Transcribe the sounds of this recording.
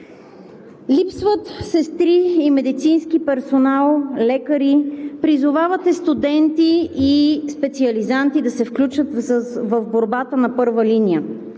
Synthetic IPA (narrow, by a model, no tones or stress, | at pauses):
lipsvət̪sɛst̪ɾiːmɛd̪it̪sinsk̟ipɛɾsonalˠlɛkəɾipɾizʊvavət̪ɛst̪ud̪ɛnt̪iː | spɛt̪siɐlizant̪id̪ɐsɛfklʲut͡ʃət̪vəvboɾbat̪ənɐpɤɾvəlinijə